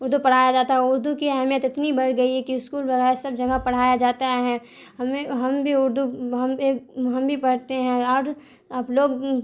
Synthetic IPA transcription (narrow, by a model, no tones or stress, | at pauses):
ʊɾd̪upɐɽ̤aːjad͡ʒaːt̪aɦɛʊɾd̪ukiɛɦmijət̪ɪt̪nibɐɽɡɐiɦɛkiɪskuːlbɐɣɛːɾsɐb̚d͡ʒɐɡapɐɽ̤aːjad͡ʒaːt̪aɦɛ̃ | ɦɐmẽɦɐmbʱiʊɾd̪uɦɐmeːkɦɐmbʱipɐɽ̤t̪eɦɛ̃aːɾ | aːploːɡ